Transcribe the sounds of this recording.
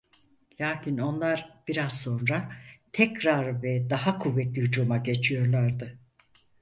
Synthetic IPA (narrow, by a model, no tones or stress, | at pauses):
lʲaːcʰino̞nlˠaɾbiɾaz̥so̞nɾat̪ʰɛcɾaɾvɛd̪aɦakʰuvːɛt̪lʲihyd͡ʒumaɟe̞t͡ʃʰijo̞ɾlˠaɾd̪ɯ